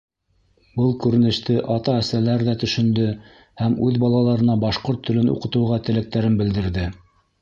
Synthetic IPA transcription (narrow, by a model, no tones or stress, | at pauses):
bɤlˠkʉɾɘ̆nɘ̆ʃt̪ɘʔɑt̪ɑæsælæɾðæt̪ɵ̆ʃɵ̆nd̪ɵ | hæmʉðbɑlˠɑlˠɑɾɤ̆nɑbɑʃqoɾt̪ʰːɵ̆lɘnṵqɤ̆t̪ɤ̆wʁɑt̪ɘ̆læk̚t̪æɾɘnbɘ̆ld̪ɘ̆ɾðɘ